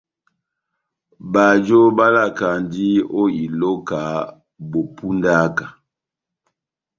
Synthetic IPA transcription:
ba˨d͡ʒo˦ba˦la˦˨ka˨ndi˦o˦i˨lo˦ka˨˦ | bo˨pu˦nda˦ka˨

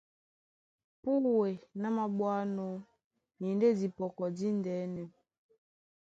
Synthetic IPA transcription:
pu˦we˨na˦ma˨ɓwa˦nɔ˦ | ɲi˨nde˦di˨pɔ˨kɔ˨di˦ndɛ˨˦nɛ˨

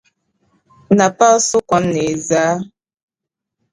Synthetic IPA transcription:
na˨pa˦sʊ˦kʷɔ˦nːe˨zaː˨˦

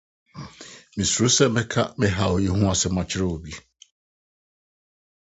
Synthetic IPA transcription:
mĩ˨su˨ɾʊ˦sɛ˦mɪ̃˦kʰa˦mɪ̃˦ɦa˨wo˨ji˦hũ˦a˨sɛ˦mã˨t͡ɕʰɪ˦ɾe˦wo˨bi˦

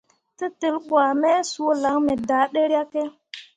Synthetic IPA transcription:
ti˦ti˨lɓwa˨me˦su˦o˦la˨˦ŋme˨da˨˦ɗe˦ɾa˦ke˦

